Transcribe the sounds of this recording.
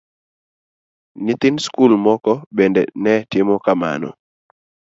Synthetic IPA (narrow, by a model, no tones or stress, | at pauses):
nɪt̪ɪnskulmɔkɔbendɛ̰nɛtɪmɔkama̰nɔ̰